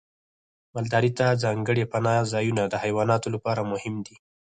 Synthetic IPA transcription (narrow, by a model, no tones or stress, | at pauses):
mald̪ɑɾit̪azɑŋɡəɽepanɑzɑjunad̪əhajwɑnɑt̪olapɑɾamʊhɪmd̪i